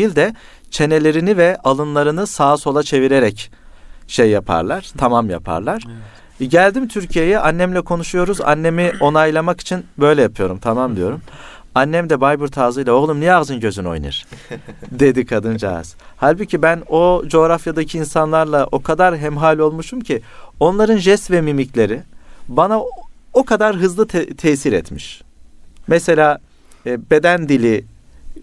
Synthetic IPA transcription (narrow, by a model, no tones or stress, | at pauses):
ilʲd̪ɛ | t͡ʃʰe̞ne̞lʲe̞ɾinivɛʔalˠɯnlˠaɾɯnɯsaːso̞lˠat͡ʃʰe̞viɾe̞ɾɛc | ʃejːapʰa̰ɾlˠaɾ̥t̪ʰamamja̰pʰa̰ɾlˠaɾ̥ | ɟælʲd̪imt̪ʰyɾcʰije̞jɛʔanːæmlʲɛkʰo̞nuʃujo̞ɾuza̰nːe̞mio̞najlˠamaki̥t͡ʃʰinbø̞jlʲɛjapʰɯjo̞ɾumt̪ʰamamd̪ijo̞ɾum | anːɛmd̪ɛbajbuɾt̪ʰaːzɯjlˠao̞ɣlˠumnijaɣzɯnɟø̞zyno̞̰jnɯ̰ɾ̥ | d̪e̞d̪ikʰad̪ɯnd͡ʒa̰a̰z̥halʲbucʰibæno̞d͡ʒo̞ːɾafjad̪acʰiːnsanlˠaɾlˠaʔo̞kʰad̪aɾɦɛmɦaːlʲo̞lˠmuʃumcʰio̞nlˠaɾɯnʒɛsvɛmimiclʲe̞ɾibanaokʰad̪aɾɦɯzlˠɯt̪ʰt̪ʰɛːsiɾɛ̰t̪miʃ | mɛse̞lʲaː | be̞d̪ænd̪ilʲi